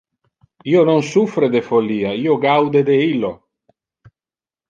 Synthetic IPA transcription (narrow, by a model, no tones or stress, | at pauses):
iːononsufɾed̪efolːiːaiːoɡawd̪ed̪eilːo